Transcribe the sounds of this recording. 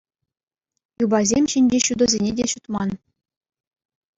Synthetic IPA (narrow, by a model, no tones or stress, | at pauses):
jubɑzʲemʲɕɘ̆nʲd͡ʑeɕud̪ɤ̆zʲenʲedʲeɕut̪mɑn